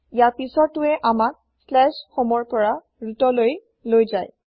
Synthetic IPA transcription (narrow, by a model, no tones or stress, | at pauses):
ijaɹpisɔtːʊɛʔamak̚ | slɛʃxomɔɹpɔɹa | ɹutɔloj | lojzaj